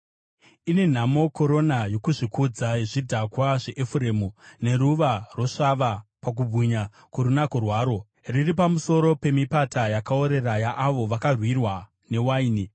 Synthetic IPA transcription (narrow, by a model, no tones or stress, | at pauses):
ine̞n̤amo̞ko̞ɾo̞najo̞kuʐikud͡zaʐidʱakwaʐeʔefuɾe̞ːmune̞ɾuʋarwo̞ʂaʋapak̬ubʱuɲa | kuɾunakurwaːɾo̞ | riripamuso̞ɾo̞pe̞mipatajakao̞ɾe̞rajaʔaʋo̞ʋakarwirwa | ne̞waiːni